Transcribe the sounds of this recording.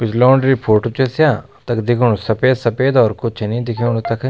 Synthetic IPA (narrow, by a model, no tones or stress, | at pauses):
pɪt͡ʃʰlɔːɳɖɾipʰoːʈoːt͡ʃesjaː | t̪ɐkd̪ɪkʰuɳsɐpeːd̪sɐpeːd̪ɔːɾkʊt͡ʃʰnĩːd̪ɪkʰeuɳt̪ɐkʰ